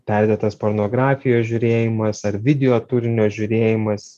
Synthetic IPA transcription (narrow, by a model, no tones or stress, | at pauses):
pʲɛɾʲd̪ʲeːt̪ɐspoːɾnoːɡɾɑːfʲɪjoːsʒʲuɾʲeːjɪmɐsɐrʋʲɪd̪ʲɛoːt̪uːɾʲɪnʲoːʒʲʊɾʲeːjɪmɐs